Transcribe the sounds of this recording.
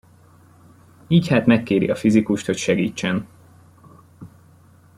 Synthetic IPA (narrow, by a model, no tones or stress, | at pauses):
iːchaːt̪mɛkːeːɾḭɒfizikuʃt̪ho̞cʃɛɡḭːt͡ʃːɛn